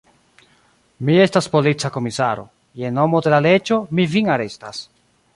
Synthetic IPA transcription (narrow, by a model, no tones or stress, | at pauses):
miestaspo̞lit͡sako̞misaɾo̞̰ | jeno̞mode̞lale̞d͡ʒo̞miviŋaɾe̞stas